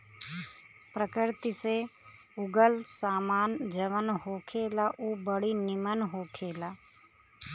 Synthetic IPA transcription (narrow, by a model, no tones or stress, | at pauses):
pɾəkɪɾt̪ise | ʊɡəlsaːmaːnd͡ʒəʋənɦoːkʰeːlaʔuːbəɽinɪmənɦoːkʰeːlaː